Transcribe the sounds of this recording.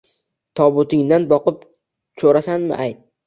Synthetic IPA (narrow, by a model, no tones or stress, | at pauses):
t̪ʰɒbʊt̪ɪŋd̪anbɒqɨp | t͡ʃʰoɾasanmɪ̰ʔajt̪̚